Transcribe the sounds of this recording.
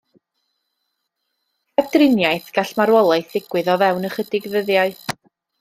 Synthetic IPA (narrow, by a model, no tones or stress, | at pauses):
kʰɛd̥rɪnjajθɡ̥aɬmaɾwɔlˠajθɪɡ̥wɪɨðɔvɛwnəχədɪɡvəðjaɨ